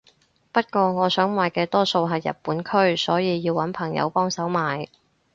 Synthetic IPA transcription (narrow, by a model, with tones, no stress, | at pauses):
pɐ˥t̚kʷɔː˧ŋɔː˨˧sœː˨˥ŋwaː˨jkɛː˧t̪ɔː˥so˧wɦɐ˨jːɐ̰˨t̚puː˨˥nkʰɵ˥ɥsɔː˨˥jiː˨˧jiː˧wɐ˨˥npʰɐ˨˩ŋjɐ̰˨˧wpɔː˥ŋsɐ˨˥wmaː˨j